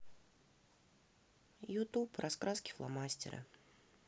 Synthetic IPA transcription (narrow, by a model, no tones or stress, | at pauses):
jʊt̪uprʔɐskɾaskʲɪ̥flˠa̰masʲtʲɪ̰ɾə̰